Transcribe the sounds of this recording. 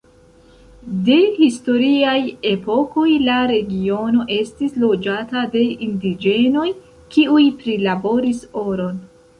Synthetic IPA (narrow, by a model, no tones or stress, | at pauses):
de̞histo̞ɾiaje̞po̞ko̞jlaɾe̞ɡio̞no̞ʔe̞stislo̞d͡ʒatade̞ʔindid͡ʒe̞no̞j | kiujpɾilabo̞ɾiso̞ɾo̞n